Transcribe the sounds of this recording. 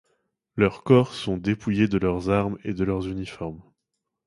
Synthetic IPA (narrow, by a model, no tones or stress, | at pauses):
lœʁkɔʁsɔ̃d̪epujed̪əlœʁzaʁmḛd̪əlœʁzynifɔʁm